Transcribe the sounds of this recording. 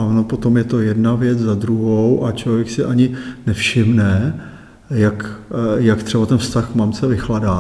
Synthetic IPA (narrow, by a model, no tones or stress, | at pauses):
aonopo̞t̪o̞mjɛt̪o̞jɛdnavjɛt͡szad̪ɾuɦowʔat͡ʃlo̞vjɛksɪʔaɲɪnɛfʃɪmnɛ | jakjakt̪r̝̥ɛbat̪ɛnfst̪axkmamt͡sɛvɪxladaː